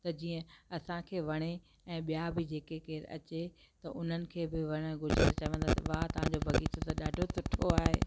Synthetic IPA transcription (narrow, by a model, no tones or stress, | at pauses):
t̪ɐd͡ʑiːə̃ɐsãkʰeːʋɐɽ̃e | ɛ̃ːɓijabɪd͡ʑeːkekeɪɾɐ̰t͡ɕe | t̪ɐʔʊn̤ənɪ̆kʰeːbɪʋɐɽ̃ɡʱʊɾd͡ʑet̪ɐt͡ɕɐʋə̃nd̪at̪ʋat̪ɐʋ̤ãɲd͡ʑobʱɐɡiːt̪ʰot̪ɐɗaːɖʱot̪ʊʈʰoaːɦḛː